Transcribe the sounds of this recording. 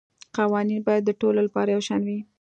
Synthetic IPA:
qawɑninbɑjad̪ːəʈololapɑɾajawʃɑnwi

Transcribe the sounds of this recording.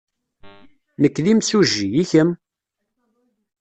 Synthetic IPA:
nəkːlimsuʒːijiçəm

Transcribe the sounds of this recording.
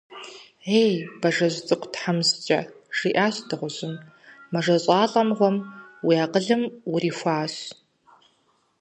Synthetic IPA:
eːjbɐʐɐʑʷt͡sʼɨqʷtħamzɨt͡ʃʼɐ | ʐ̥iːʔaːɕdɨʁʷʊʑɪm | mɐʐɐɕʼɑːɬʼɐmʁʷɔmwiaːqəɮɨmwʊriːxʷaːɕ

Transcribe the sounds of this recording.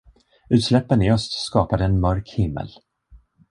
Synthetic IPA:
ʉ̟ːt̪slɛpːənɪœst̪skɑːpad̪əɛnmœɾkhɪmːə̰l

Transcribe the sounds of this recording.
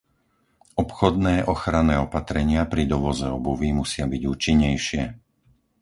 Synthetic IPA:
ɔpxɔd̪nɛːʔɔxɾanɛːɔpat̪ɾɛɲɪapɾid̪ɔʋɔzɛɔbuʋimusɪabiɟuːt͡ʃiɲːɛjʃɪɛ

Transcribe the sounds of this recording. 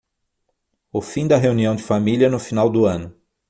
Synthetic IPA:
ʊfĩd̪ɐɦeuniɐ̃w̃d͡ʒɪfamiliɐnʊfinawd̪ʊɐ̃nʊ

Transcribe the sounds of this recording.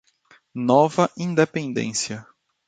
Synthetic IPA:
nɔvɐʔĩnd̪epẽnd̪ḛ̃siɐ

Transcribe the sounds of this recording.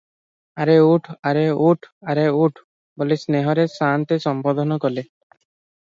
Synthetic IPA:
aɾeuʈʰaɾeuʈʰaɾeuʈʰ | bolesneɦɔɾesant̪esɔmpɔd̪ʱɔnɔkɔle

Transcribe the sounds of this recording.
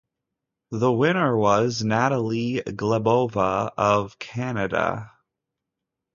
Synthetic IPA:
ðəwɪ̃ñə˞wʌznæɾəl̩ˠiɡləboʊvəʌv̥kʰænɨɾə̰

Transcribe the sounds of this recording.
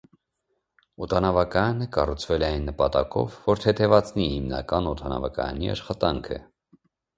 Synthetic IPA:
ɔt̪ʰɑnɑvɑkɑjɑnəkɑrut͡sʰvɛlɛɑjnːəpɑt̪ɑkɔ̰vːɔɾt̪ʰɛt̪ʰɛvɑt͡sʰnihimnɑ̰kɑnɔt̪ʰɑnɑ̰vɑkɑ̰jɑ̰niɑ̰ʃχɑt̪ɑŋkʰə̰

